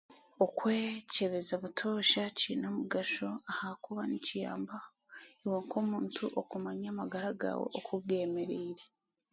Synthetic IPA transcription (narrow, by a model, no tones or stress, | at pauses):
okwe̞ːce̞βe̞zaβutʰo̞ːʃaciːnomuɡaʃoahakuβanicija̰ːmba | iwoŋkomuːntʰuʔokumaɲamaɡaɾaɡa̰we̞̰ʔokʰuɡe̞meɾeɾe